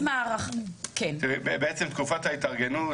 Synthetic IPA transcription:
maaʁaχkent̪iebebeet͡semt̪kufat̪hait̪aʁɡenu

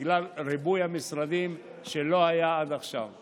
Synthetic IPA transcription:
ɡlalɾibujamisɾad̪im | ʃelo̞hajaad̪aχʃav

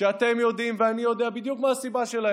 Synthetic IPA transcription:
ʃeat̪e̞mjo̞d̪imveanijo̞d̪eabid̪jukmaːsibaʃela

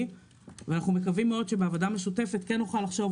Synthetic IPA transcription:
veanaχnumekavimːeo̞d̪ʃe̞beavadameʃute̞fe̞t̪kenːuχalaχʃo̞v

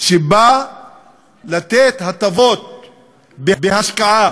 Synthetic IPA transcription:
ʃeba | lat̪et̪hat̪avot̪̚ | bebeɦaʃkaʔa

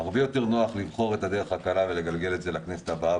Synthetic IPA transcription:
aʁbe̞jo̞te̞ʁnoaχlivχo̞ʁe̞tad̪eʁe̞χakalavele̞ɡalɡe̞le̞tzelaknese̥tabaa

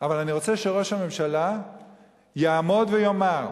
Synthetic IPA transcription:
avalaniʁo̞t͡seʃeʁoʃhame̞mʃala | jaːmo̞d̪vejomaʁ

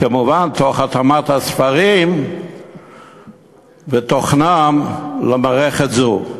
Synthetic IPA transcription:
kamuvantoχat̪amathasfaʁim | vet̪oχnamlamaʁeχetzu

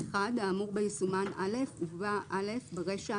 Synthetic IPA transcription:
ad̪aːmuʁbejisumanʔa̰le̞fubaʔale̞fbeʁeʃa

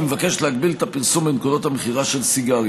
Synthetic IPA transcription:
mevake̞ʃe̥leaɡbilet̪apiʁsumbenkudo̞t̪hameχiʁaʃe̞lsiɡa

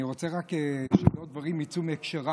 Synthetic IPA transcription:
iʁo̞t͡seʁakeʃedot̪d̪vaʁimːit͡sumekʃeʁa

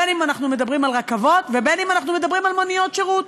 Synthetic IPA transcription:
enimanaχnume̞dabʁimalʁakavo̞t̪vebenimanaχnume̞d̪abʁimalmonijo̞t̪ʃeʁut̪

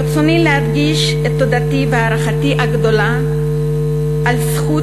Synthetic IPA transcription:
t͡sonilehadɡiʃ | et̪ːo̞d̪ativeaʁaχatiʔaɡd̪o̞la | ʔalsχu

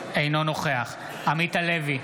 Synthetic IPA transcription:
ejno̞no̞χe̞aχ | amit̪alevi

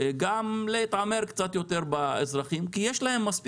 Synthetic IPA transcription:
ɡamleit̪ʕame̞ɾkt͡sat̪jo̞t̪eʁbaḛzʁaχimkijeʃlaɦe̞mːasp

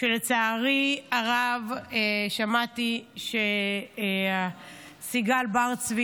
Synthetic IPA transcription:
ʃelet͡saːʁiaʁaveʃamat̪iʃe | a | siɡalbaʁt͡svi

